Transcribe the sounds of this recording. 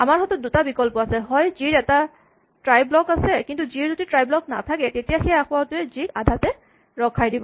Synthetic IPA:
amaɹɦɔtɔt̚dutabikɔlpɔasɛɦɔjziɹɛta | tɹajblɔkasɛkintuziɹzotitɹajblɔk̚na̰tʰakɛtetijaxɛjaxʊwatʊɛzikadʱatɛ | ɹɔkʰajdibɔ

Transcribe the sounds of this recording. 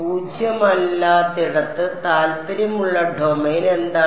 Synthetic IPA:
puːd͡ʑʱjɐmɐlːaːt̪iɽɐt̪ːɨt̪aːlpɐɾɐmuɭːɐɖʱoːmeːnend̪aː

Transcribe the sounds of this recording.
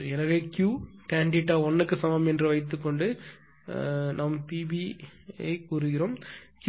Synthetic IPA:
ɛnɐɣekjuːkaːɳɖɪʈːaːɔnːɯkːɯsɐmɐmɛndrɯʋɐɪt̪ːɯkːɔɳɖɯ | nʔɐːmːɐpiːbiɐ̰ɪkuːɾɯɣɪɾoːmk

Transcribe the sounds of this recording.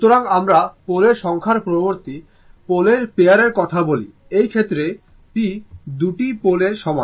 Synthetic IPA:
ut̪oɾaŋamɾapoleɾʃɔŋkʰaɾpɾoboɾt̪i | poleɾpejaɾeɾkɔt̪ʰabolḭ | ejkʰet̪ːɾe | ʈid̪uʈipoleɾʃɔma̰

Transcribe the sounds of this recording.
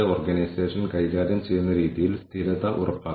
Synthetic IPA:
eoːrɡɐnɐjseːʂɐnkɐjɣaːɾjɐmt͡ɕe̞jːunːɐɾiːðijilst̪ʰiɾɐðɐʔurɐpːaː

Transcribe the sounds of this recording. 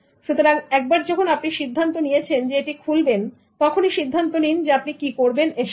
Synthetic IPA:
ʃut̪oɾaŋɛk̚baɾd͡ʑɔkʰonapniʃid̪ʱːant̪onijet͡ɕʰend͡ʑeeʈikʰulben | t̪ɔkʰoniʃid̪ʱːant̪onind͡ʑeapnikikoɾbeneʃ

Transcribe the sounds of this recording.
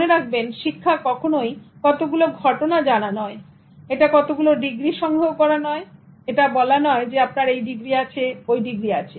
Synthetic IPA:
oneɾak̚ʰbenʃikʰːakɔkʰonojkɔt̪oɡuloɡʱɔʈonad͡ʑananɔe | eʈakɔt̪oɡuloɖiɡɾiʃɔŋɡʱookɔɾanɔe | eʈabɔlanɔed͡ʑeap̚naɾejɖiɡɾiat͡ɕʰeojɖiɡɾiat͡ɕʰe

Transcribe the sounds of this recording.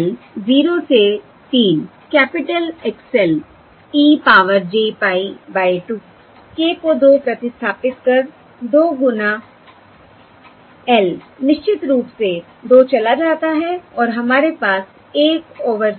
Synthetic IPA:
lziːɾose | t̪iːn | kɛːpɪʈəleksɛl | iːpaːʋəɾd͡ʒeːpaːibaːiʈuː | keːkod̪oːpɾɐt̪ɪst̪ʰaːpɪt̪kɐɾ | d̪oːɡʊna | ɛlnɪʃt͡ʃɪt̪ɾuːpse | d̪oːt͡ʃɐlad͡ʒaːt̪aɦɛɔːɾɦɐmaːɾepaːs | eːkoːʋəɾ

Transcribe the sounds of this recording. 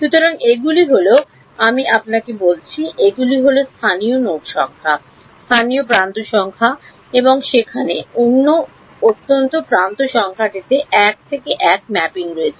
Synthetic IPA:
ʃut̪oɾaŋeɡuliɦolo | amiʔapnakebolt͡ɕʰiʔeɡuliɦolost̪ʰanijonoʈʃɔŋkʰa | st̪ʰanijopɾant̪oʃɔŋkʰa | eboŋʃekʰaneonːo | ot̪ːont̪opɾant̪oʃɔŋkʰaʈit̪eʔɛk̚t̪ʰekeʔɛk̚mɛpiŋɾoet͡ɕʰe

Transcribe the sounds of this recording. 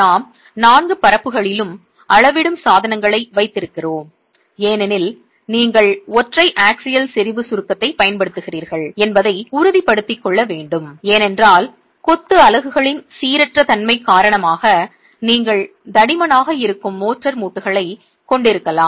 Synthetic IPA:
naːm | naːnɡɯpɐɾɐpːɯɣɐɭɪlɯm | ʔɐɭɐʋɪɽɯmsaːðɐnɐŋɡɐɭɐɪʋɐɪt̪ːɪɾɯkːɪroːm | eːnɛnɪl | niːŋɡɐɭɔʈrɐɪʔaːksɪjɐlsɪɾɪʋɯsʊɾkːɐt̪ːɐɪpɐjɐnpɐɽɯt̪ːɯɣɪriːɾɣɐɭɛnbɐðɐɪʊɾɯðipɐɽɯt̪ːɪkːɔɭːɐʋeːɳɖɯmeːnɛndraːl | kɔt̪ːɯɐlɐɣɯɣɐɭɪnsiːɾɛʈrɐt̪ɐnmɐɪkaːɾɐɳɐmaːɣɐ | niːŋɡɐɭd̪ɐɽɪmɐnaːɣɐɪɾɯkːɯmːoːʈrɐɾmuːʈːɯɣɐɭɐɪ | kɔɳɖɪɾɯkːɐlaːm

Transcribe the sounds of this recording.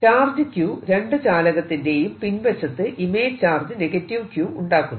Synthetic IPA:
t͡ɕaːrd͡ʑɨkjuːɾe̞ɳɖɨt͡ɕaːlɐɣɐt̪ːinde̞jumpinʋɐt͡ɕːɐt̪ːɨʔime̞ːt͡ɕaːrd͡ʑɨneɣɐtːiʋkjuːuɳɖaːkːunː

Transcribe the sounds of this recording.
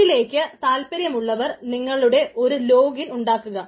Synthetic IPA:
ile̞ːkʲːɨt̪aːlpɐɾjɐmuɭːɐʋɐrniŋːɐɭuɽe̞ʔʔo̞ɾulo̞ːɡiluɳɖaːkːuɣɐ

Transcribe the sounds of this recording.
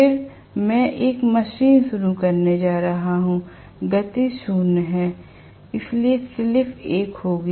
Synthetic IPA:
pɪɾ | mɛ̃ːʔeːkmɐʃiːnʃʊɾukɐɾned͡ʒaːɾɐɦaɦũ | ɡɐt̪iʃuːnɦɛː | ɪsliesɪlɪfʰeːkɦoːɡ

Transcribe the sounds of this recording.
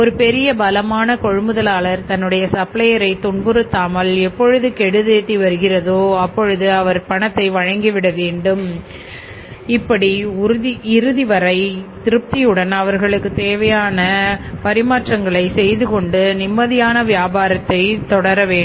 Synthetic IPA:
ɔɾɯpɛɾɪjɐbɐlɐmaːnɐkɔɻɯmɯðɐlaːlɐɾt̪ɐnːɯɽɐjɐsɐplɐjɐɾɐɪt̪ʊɳbɯɾɯt̪ːaːmɐlɛpːɔɻɯðɯkɛɽɯðeːt̪ːiʋɐɾɯɣɪrɐðoːɐpːɔɻɯðɯɐʋɐɾpɐɳɐt̪ːɐɪʋɐɻɐŋɡiʋɪɽɐʋeːɳɖɯm | ɪpːɐɽiʊɾɯðiɪɾɯðiʋɐɾɐɪt̪ɪɾɯp̚t̪ijɯɽɐnɐʋɐɾɣɐɭɯkːɯt̪eːʋɐjaːnɐpɐɾɪmaːʈrɐŋɡɐɭɐɪsɛjðɯkɔɳɖɯnɪmːɐðɪjaːnɐʋɪjaːbaːɾɐt̪ːɐɪt̪ɔɽɐɾɐʋeː

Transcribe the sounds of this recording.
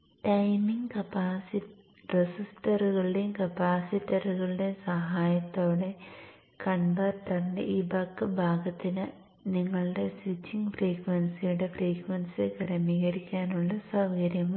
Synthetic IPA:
ʈɐjmiŋɡkɐpasi | resistɐrɣɐɭɨɽekɐpaːsitːɐruɣɐɭɨɽe̞sɐɦaːjɐt̪ːoːɽe̞ | kɐnbɐrtːɐrndḛʔibɐkːɨbʱaːɡɐt̪ːinɨ | niŋːɐɭɨɽe̞sʋit͡ɕːiŋɡfriːkʋɐnsijuɽe̞friːkwɐnsɨɡɐrɐmiːɣɐɾikʲːaːnuɭːɐsɐwɡɐɾjɐm

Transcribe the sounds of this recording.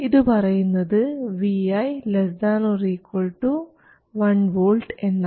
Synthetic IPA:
iðɨpɐrɐjunːɐðɨʋiɐjlɐsd̪aːnuriːkːoɭʈːu | ʋɐɳʋoːɭʈenːa

